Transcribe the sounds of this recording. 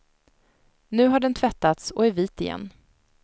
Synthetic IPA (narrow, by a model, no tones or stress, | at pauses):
nʉ̟ːɦaɖɛnt̪ʰvɛt̪ːat̪sɔæɾviːt̪ɪjɛ̰nː